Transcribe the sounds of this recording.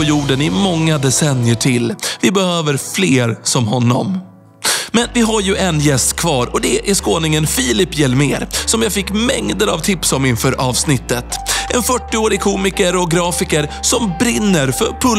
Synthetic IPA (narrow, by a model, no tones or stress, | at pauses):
ɔjuːɖənɪmɔŋːad̪ɛsɛnjəʈʰɪlvɪbɛhøːvəɾfleːɾsɔmɦɔnːɔ̰m | mɛnvɪɦaɾjɵʔɛnjɛst̪kʰvɑːɾɔd̪ɛʔæʂkoːnɪŋənfiːlɪpːjɛlmeːɾsɔmjaːɡfɪkːmɛŋd̪əɾa̰vt̪ʰɪpsɔmɪnfœɾʔɑːvsnɪt̪ːət̪ʔɛnfœʈːɪoːɾɪkʰuːmɪkəɾɔɡɾɑːfɪkəɾsɔmbɾɪnːəɾfœɾpʰɵ